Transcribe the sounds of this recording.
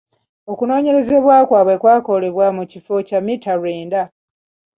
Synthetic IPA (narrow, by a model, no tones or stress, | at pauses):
o̞kuno̞ːɲe̞ɾe̞ze̞βwaːkwaːβwe̞kwaːko̞le̞βwamucifo̞camitaɾeːnda